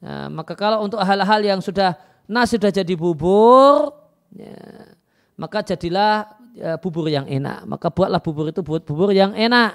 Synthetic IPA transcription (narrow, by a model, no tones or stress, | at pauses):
ə̰makakalount̪ʊkɦalaɦaljaŋsudah | nasudahd͡ʒadibubʊr | ja̰ | makad͡ʒadilah | əb̥ubʊrjaŋḛna̰ʔma̰kab̥uat̪̚lahb̥ubʊɾit̪ubuat̪̚b̥ubʊrjaŋenaʔ